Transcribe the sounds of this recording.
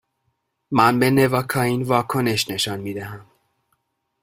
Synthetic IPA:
mænbene̞vɒːkʰɒːiːnvɒːkʰo̞ne̞ʃne̞ʃɒnmiːd̪æɦæm

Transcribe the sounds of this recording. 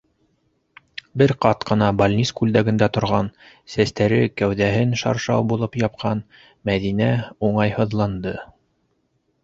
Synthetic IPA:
bɘɾqɑt̪qɤ̆nɑbalʲnʲiskʉld̪æɡɘ̆nd̪æt̪ŏɾʁɑn | sæst̪æɾɘkæwðæɦɘnʃɑ̰ɾʃɑ̰wbulˠɤpjɑp̚qʰɑn | mæðinæuɴɑjhɤ̆ðlˠɑnd̪ɤ

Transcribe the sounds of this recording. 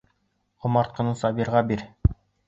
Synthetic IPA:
ŏmɑɾt̪̚qɤ̆nɤsɑbiɾʁɑbiɾ

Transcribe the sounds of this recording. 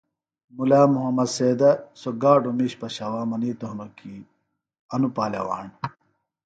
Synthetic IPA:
mulaːmuɦɐmɐseːd̪ɐsoɡaːɖomiɕpɐɕɐwaːmɐniːt̪oɦnoki | ɐnupaːlɐ̰wa̰ːɳ

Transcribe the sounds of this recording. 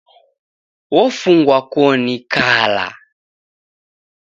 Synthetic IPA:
wɔfuŋɡwakɔnikala̰

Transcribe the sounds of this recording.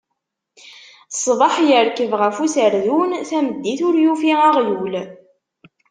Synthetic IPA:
sˤvɑħjəɾkəvʁæfusəɾðunθæməd̪ːiθʊɾjufiæʁjul

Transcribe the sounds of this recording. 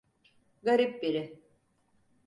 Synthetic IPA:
ɡaɾip̚biɾɪ

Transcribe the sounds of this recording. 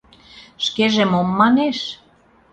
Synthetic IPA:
ʃkeʒemomːɑneʃ

